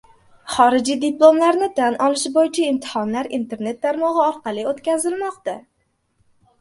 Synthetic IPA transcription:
χɒɾɪd͡ʒijd̪ɪplˠo̞mlaɾnɪt̪ʰanʔɒlɪʃbojɪt͡ʃʰaɪmt̪ʰɪ̥hɒnlaɾint̪ʰe̞ɾne̞t̪̚ːaɾmɒʁɨɒɾqʰɑlˠɪot̪kʲazɪlmɒqt̪a

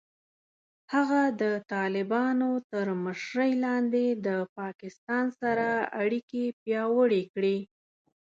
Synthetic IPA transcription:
haɣad̪ət̪ɑlɪbɑnot̪əɾməʃɾəjlɑnd̪ed̪əpɑkɪst̪ɑnsaɾaaɽikepjɑwəɽekɽi

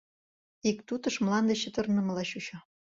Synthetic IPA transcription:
ikt̪ut̪ɤ̆ʃmlɑnd̪ĕɕə̆t̪ɤrnə̆mə̆lɑɕuɕɤ

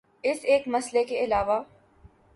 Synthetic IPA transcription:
ɪseːkmɐslekeɪlaːʋaː

